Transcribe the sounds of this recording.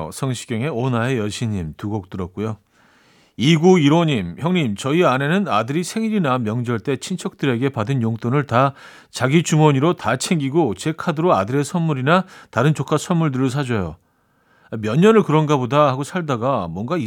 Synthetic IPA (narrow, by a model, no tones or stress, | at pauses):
sʰʌŋɕʰi̥ɡjʌŋe̞onɦaejʌɕʰiɲimtuɡʌk̚t͈ɯɾʌt̚k͈ujo | iɡuiɾoɲimçjʌŋɲimt͡ɕʌiane̞nɯnadɯɾisʰe̞ŋiɾinamjʌŋd͡ʑʌɭt͈e̞t͡ɕʰint͡ɕʰʌk̚t͈ɯɾe̞ɡe̞padɯnjoŋt͈onɯɭta | t͡ɕaɡit͡ɕumʌɲiɾotat͡ɕʰe̞ŋɡiɡot͡ɕe̞kʰadɯɾoadɯɾe̞sʰʌnmuɾinataɾɯnt͡ɕokʰasʰʌnmːuɭdɯɾɯɭs̬ʰad͡ʑʌjo̰ | amjʌɲːʌnɯɭkɯɾʌnɡabodahaɡosʰaɭdaɡamwʌnɡai